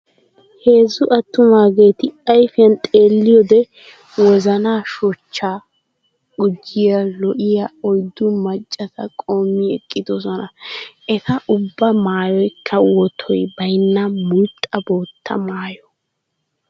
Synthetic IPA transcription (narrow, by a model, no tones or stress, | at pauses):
he̞ːzːʊʔɐt̪ːʊmaːɡe̞ːt̪ɪɐjfɪɐnt̪ʼe̞ːlːɪjɔd̪ɛ | wɔzɐnaːʃɔt͡ʃːaː | ʊd͡ʒːɪjɐlɔʔɪjaɔjd̪ːʊmɐt͡ʃʼːɐsɐkʼo̞ːmːɪɛkʼːɪd̪ɔsɔnɐʔɛt̪ɐʔʊbːɐmaːjɔjkʰːɐwɔt̪ʰːɔjbɐjnːɐmʊjt̪ʼːɐbo̞ːt̪ʰːɐ̰maːjɔ